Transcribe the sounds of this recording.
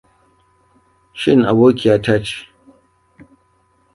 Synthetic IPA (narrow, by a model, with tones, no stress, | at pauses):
ʃɪ˦ŋʔa˨boː˦kʲɪ˨ja˦taː˦t͡ʃi̥˨